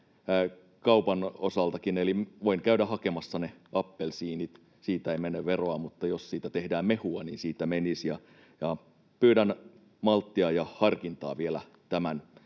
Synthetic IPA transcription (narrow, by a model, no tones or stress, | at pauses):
kɑupɑnosɑlt̪ɑkineliʋoinkæydæhɑkemɑsːɑneɑpːelsiːnit̪ | siːt̪æeimenːeʋʋeroɑmut̪ːɑjossiːt̪æt̪ehdæːmmehuɑnḭːnsiːt̪ːæmenisjɑ | jɑ | pyːdæn | mɑlt̪ːiɑjɑhɑrkint̪ɑ̰ːʋielæ | t̪æmæn